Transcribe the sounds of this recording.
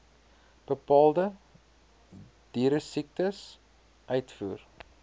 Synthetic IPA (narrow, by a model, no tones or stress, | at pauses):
b̥əpɑːlˠdə | d̥iːɾəsik̚təs | ʔœɥtfuːr